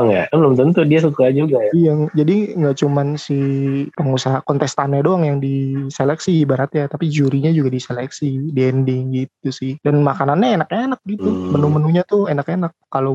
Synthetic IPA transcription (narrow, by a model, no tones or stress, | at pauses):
ŋja̰bəlʊmt̪ənt̪udiasukad͡ʒuɡajijad͡ʒadiŋɡaʔt͡ʃumansihpəŋusaɦakɔnt̪ɛst̪anɲadoaŋjaŋdiselɛksibaɲat̪jat̪apid͡ʒuɾiɲad͡ʒuɡadiselɛksidiɛndɪŋɡit̪usɪhdanmakananɲaenak̚ɲaenak̚ɡit̪umənumənuɲat̪ʊenakenakːalo